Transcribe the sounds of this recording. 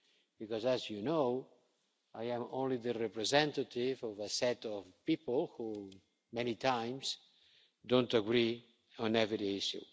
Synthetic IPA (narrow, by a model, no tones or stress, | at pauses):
b̥ikɔzazjuno | ajãmõ̰nliðərɛpɾɛzɛ̃nt̪ətivɔvəsɛt̪ɔvpipəlˠhu | mɛñit̪ʰãj̃ms | d̪õnt̪əɡɾi | ɔ̃nɛvɾiiʃṵ